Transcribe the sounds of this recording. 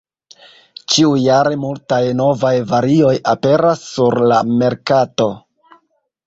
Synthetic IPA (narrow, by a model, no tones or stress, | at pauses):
t͡ʃiujaɾe̞multajno̞vajvaɾio̞jape̞ɾasːuɾlame̞ɾkato̞